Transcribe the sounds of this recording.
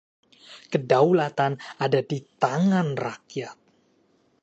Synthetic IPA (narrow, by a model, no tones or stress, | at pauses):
kədaulat̪anadadit̪aŋanrakjat̪̚